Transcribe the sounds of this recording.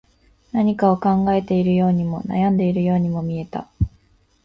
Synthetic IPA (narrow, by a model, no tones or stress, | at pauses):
naɲ̟ikao̞kãŋɡae̞t̪e̞iɾɯ̟jo̞ːɲ̟imo̞na̰jãnd̪e̞iɾɯ̟jo̞ːɲ̟imo̞mʲie̞t̪a̰